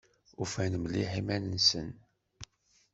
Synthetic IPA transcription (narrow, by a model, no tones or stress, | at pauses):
ufænmliħimænənsən